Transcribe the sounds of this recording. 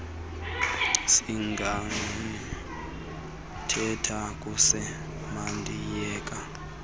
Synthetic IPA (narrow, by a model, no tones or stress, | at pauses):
siŋɡʱaŋ | tʰɛtʰakʼusɛ | mandʱijɛːkʼa